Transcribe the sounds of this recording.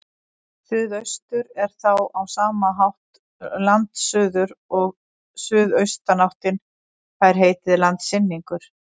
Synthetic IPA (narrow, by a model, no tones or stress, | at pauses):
θʏːðœɥst̪ʏɾɛɾ̥θawawsaːmaɦawht̪ | lant̪sʏːðʏɾɔɣ | sʏːðœɥst̪anawht̪ɪn | θajɾ̥ɦeːjt̪ɪðɪlant̪sɪnːiŋkʏɾ̥